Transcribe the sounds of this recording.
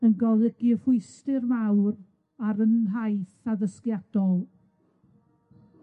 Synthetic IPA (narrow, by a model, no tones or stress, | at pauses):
ənɡɔðɪɡiəvʊɨstɪrmawr | aɾənɦajθaðəskjad̥ɔlˠ